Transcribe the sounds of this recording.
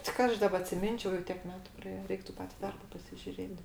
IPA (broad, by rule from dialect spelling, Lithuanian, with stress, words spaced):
tʲɪ ˈkɐ ɐʃ ˈdɑːbɐ ɐtʲsʲɪˈmʲɪnʲt͡ʃʲɛʊ jɛʊ ˈtʲiɛk ˈmʲæːtʊ prɐˈeːjɛ ˈrʲɛɪktʊ ˈpɑːtʲɪ ˈdɐrbɐ pɐsʲɪʒʲʊˈrʲeːt